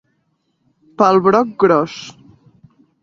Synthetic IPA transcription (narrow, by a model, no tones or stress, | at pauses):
pəlˠβɾɔk̚ɡɾɔs